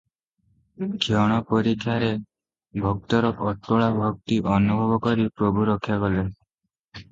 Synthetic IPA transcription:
kʰiɔɽ̃ɔpɔɾikʰːjaɾe | bʱɔk̚t̪ɔɾɔkɔʈːɔɭabʱɔk̚t̪iʔɔnubʱɔbɔkɔɾipɾɔbʱuɾɔkʰːjakɔle

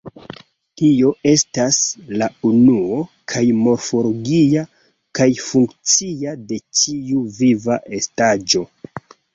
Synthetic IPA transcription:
tio̞e̞staslaunuo̞kʰajmo̞ɾfo̞lo̞ɡia | kajfuŋkt͡siade̞t͡ʃiuvivaʔe̞stad͡ʒo̞

